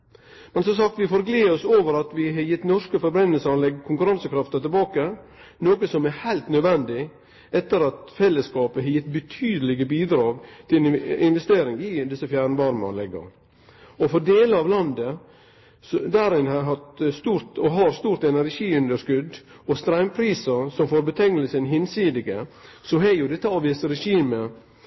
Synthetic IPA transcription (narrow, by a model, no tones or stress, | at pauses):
mɛnsɔms̬ɑk̚t̪ʋɪfoːɾɡleːɔsoːʋəɾɑt̪ʋɪɦɑjɪt̪ːnɔʂkəfɔɾbɾɛnːəlsɑɾlɛɡkʰʊŋkʉɾɑnsəkʰɾɑft̪ɑt̪ɪlbɑːkənoːkəsɔmɛhæɪlt̪nœd̪ʋɛnd̪ɪ | ɛt̪ːəɾɑt̪fɛlːəskɑːpəɦɑjɪt̪ːbət̪ʰyːd̪əlɪɡəbiːd̪ɾɑːɡt̪ʰɪɪnʋɛst̪eːɾɪŋɪd̪ɪsəfjæːɾɳəʋɑɾmə̰lɛɡɑ̰ | ɔfɔɖeːləɑʋlɑnd̪ə | d̪æɾɪnhɑɦɑt̪st̪uːɾt̪ɔɦɑɾst̪uːɾt̪ɛnæɾʂiːʉnd̪əʂskʉd̪ | ɔst̪ɾæɪmpʰɾiːsəɾsɔmfoːɾbət̪ʰɛŋəlsəɛnɦɪnsiːd̪ɪɡəsɔɦɛjʊd̪ɛt̪ːəɑːʋiːsəɾɛʃiːmə